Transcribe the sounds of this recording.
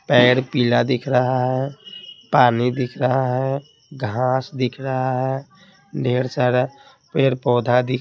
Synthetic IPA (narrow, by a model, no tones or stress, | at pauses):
pɛːɽpiːlad̪ɪkʰɾəɦaɦɛpaːnid̪ɪkʰɾəɦaɦɛ | ɡʱãːsd̪ɪkʰɾəɦaɦɛː | ɖʱeːɾsaːɾ | peɾpɔːd̪ʱad̪ɪk